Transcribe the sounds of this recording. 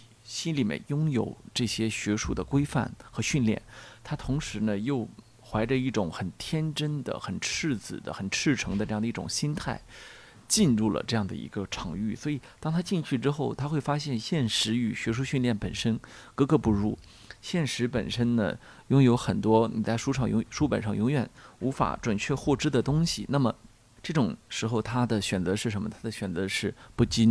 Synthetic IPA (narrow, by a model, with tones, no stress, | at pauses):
ɕi˥nli˨˩mjə̰˧˥˩njʊ˥ŋjo˨˩ʊʈ͡ʂɤ˥˩ɕjɛ˥ɕɥɛ˧˥ʂu˥˩d̪ə˩kwe˥ɪfa̰˥˩nxɤ˧˥ɕy˥˧nljɛ̰˥˩nt̪ʰa˥t̪ʰʊ˧˥ŋʂɻ̩˧˥nə˧jo˥˩ʊ | xwa˧˥ɪʈ͡ʂə˧i˥˩ʈ͡ʂʊ˨˧˥ŋxə˨˩nt̪ʰjɛ˥nʈ͡ʂə˥nd̪ə̰˨xə˨˩nʈ͡ʂʰɻ̩˥˩t͡sɹ̩˨˩d̪ə̰˦xə˨˩nʈ͡ʂʰɻ̩˥˩ʈ͡ʂʰɤ˧˥ŋd̪ə˧ʈ͡ʂɤ˥˧ɑ˥˩ŋd̪i˥˩ʈ͡ʂʊ̰˨˩ŋɕi˥nt̪ʰa˥˩ɪ | t͡ɕi˥˧nɻu˥˩lə̰˩ʈ͡ʂɤ˥˧jɑ˥˩ŋd̪ə̰˩ḭ˧˥ɡə˧ʈ͡ʂʰɑ˧˥ŋy˥˩swɔ˧˥i˨˩t̪ɑ˥ŋt̪ʰa˥t͡ɕi˥˧nt͡ɕʰy˥˩ʈ͡ʂɻ̩˥xo˥˩ʊt̪ʰa˥xwe˥˩ɪfa˥ɕjɛ˥˧nɕjɛ˥˩nʂɻ̩˧˥y˨˩ɕɥɛ˧˥ʂ̬u˥ɕy˥˧nljɛ˥˩npə˨˩nʂə˥nkɤ˥kɤ˧˥pu˥˧ɻu˥˩ | ɕjɛ˥˩nʂɻ̩˧˥pə̰˨˩nʂə˥nnə̰˨ | jʊ˥ŋjo˧˥ʊxə˨˩nt̪wɔ˥ni˨˩t͡sa˥˩ɪʂu˥ʈ͡ʂʰɑ˨˩ŋjʂu˥pə̰˨˩nʂɑ˥˩ŋjʊ˧˥ŋɥɛ˨˩nu˧˥fa̰˨˩˥ʈ͡ʂwa˨˩nt͡ɕʰɥɛ˥˧xwɔ˥˧ʈ͡ʂɻ̩˥d̪ə˨t̪ʊ˥ŋɕḭ˨na˥˩mə˩ | ʈ͡ʂɤ˥˩ʈ͡ʂʊ˨˩ŋʂɻ̩˧˥xo˧ʊt̪ʰa˥d̪ə˨ɕɥɛ˨˩nt͡sɤ˧˥ʂɻ̩̬˥˩ə˧˥nmə˧t̪ʰa˥d̪ə˨ɕɥɛ˨˩nt͡sɤ˧˥ʂɻ̩˥˧pu˥˩t͡ɕi˥n